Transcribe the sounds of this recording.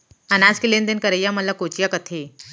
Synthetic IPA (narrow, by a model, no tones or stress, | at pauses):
anat͡skilend̪enkəɾəjaməlakot͡ɕjakət̪ʰe